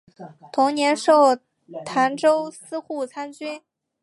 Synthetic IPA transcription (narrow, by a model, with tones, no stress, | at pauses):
t̪ʰʊ˧˥ŋnjɛ˧˥nʂo˥˩ʊ | t̪ʰa˧˥nʈ͡ʂo˥ʊsɹ̩˥xu˥˩t͡sʰa˥nt͡ɕy˥n